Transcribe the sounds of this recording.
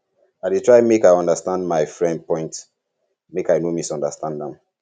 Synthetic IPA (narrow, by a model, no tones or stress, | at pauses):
aɪditʰɹaɪmekaɪɔ̃ndəstãndmaɪfɹɛ̃nd̚pʰɔ̃ɪ̃nt | mekaɪnomisɔ̃ndəstʰãndðɛ̃m